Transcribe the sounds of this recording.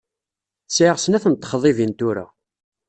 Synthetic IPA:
θsʕəʁsənæθənt̪ˤːə̥χðˤivint̪uɾæ̰

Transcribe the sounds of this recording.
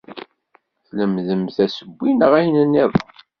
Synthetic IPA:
θləmðəmθæsəbʷːinəʁæjnənːæðˤ

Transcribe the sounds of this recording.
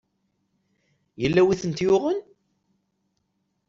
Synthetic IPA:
jəlːæwiθənt̪jʊʁən

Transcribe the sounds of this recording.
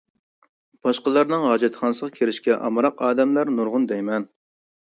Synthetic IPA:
b̥ɑʃqəlˠɑɾnɨŋɦɑːd͡ʒɛt̪χɑnɨsəʁɑkʲʰeɾɪʃkʲɛʔɑ̰mɨɾɑqɑːd̪ɛmlˠɑɾnuɾʁʊnd̪ɛjmɛn

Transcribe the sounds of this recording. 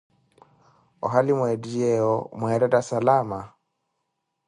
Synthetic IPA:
ɔ̰ɦalimwɛdiɛɔmwɛɾɛdasalama

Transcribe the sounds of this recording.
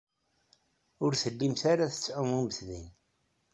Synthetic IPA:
ʊɾθəlːimθaɾaθət͡sːʕʊmubəθðḭn

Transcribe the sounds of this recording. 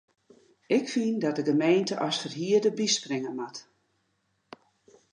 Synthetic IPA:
ɪkfindɔt̚dəɡəmeːntəʔɔsfərɦiədəbiskrɪŋəmat

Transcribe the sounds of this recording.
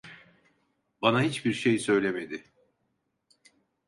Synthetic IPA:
banaɦit͡ʃbiɾʃejsø̞jlʲemed̪ɪ

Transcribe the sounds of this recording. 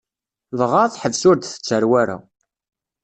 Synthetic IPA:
ðʁaðħəvsʊɾd̪θə̥t͡sːəɾwæɾa̰

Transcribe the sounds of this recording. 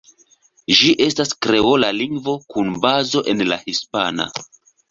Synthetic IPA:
d͡ʒiʔe̞staskɾe̞olaliŋɡvo̞kunbazo̞ʔe̞nla̰hispana̰

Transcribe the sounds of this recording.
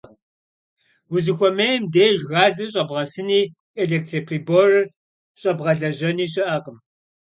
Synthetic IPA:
wʊzɨxʷɔmejɛmdeːʒɣaːzɐɕ̬ʼɐbʁɐsɨniː | eɮeːk̚tʰripʰriːbor | ɕʼɐbʁɐɮɐʑɐniːɕ̬ʼɪʔɐqəm

